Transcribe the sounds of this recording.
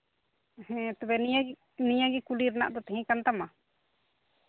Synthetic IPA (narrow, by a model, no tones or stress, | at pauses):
hɛ̃t̪ɔbɛniaɡi | niɲãɡikuliɾana̰ʔd̪ɔt̪ɛɦĩkant̪ama